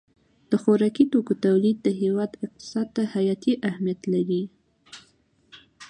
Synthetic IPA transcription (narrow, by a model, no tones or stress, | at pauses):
d̪̥əxoɾɑkit̪okot̪awlid̪̚ːəɦewɑd̪ɪq̚t̪ɪ̥sɑd̪̚t̪ahajɑt̪iʔahmijat̪laɾi